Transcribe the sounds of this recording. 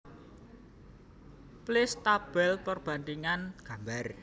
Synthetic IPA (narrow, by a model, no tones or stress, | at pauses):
plɪst̪ab̥ɛlpərb̥a̤nt̪iŋanɡ̥a̤mbar